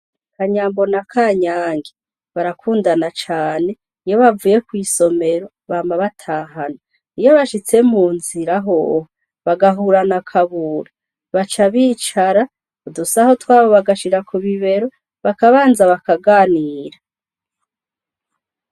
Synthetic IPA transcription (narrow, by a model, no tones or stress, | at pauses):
kʰaɲaːmbo̞nakʰaːɲaːŋɡe | βaɾakʰuːndanat͡ʃaːne̞ | ijo̞βavuːje̞kwiːso̞me̞ɾo̞ | βaːmaβatʰaːɦana | ijo̞βaʃit͡se̞muːnziɾaɦoːh | βaɡaɦuːɾanakʰaβuːɾa | βat͡ʃaβiːt͡ʃaɾa | udusaho̞twaːβo̞βaɡaʃiɾakuβiβe̞ɾo | βakaβaːnzaβakaɡaːniːɾa